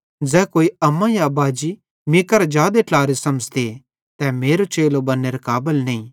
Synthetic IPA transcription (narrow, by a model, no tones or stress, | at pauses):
d͡ʒɛːkoːiɐmːãjabaːd͡ʒi | mɪkəɾd͡ʒjaːd̪eʈlaːɾesɐmd͡ʒt̪e | t̪ɛmeːɾot͡ʃeːlobɐnːeɾekaːbɪəlnɐĩː